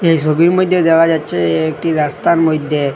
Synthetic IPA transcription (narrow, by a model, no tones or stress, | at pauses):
ejʃobiɾmojd̪ʱːed̪ɛkad͡ʑatːɕʰeek̚ʈiɾast̪aɾmojd̪ʱːe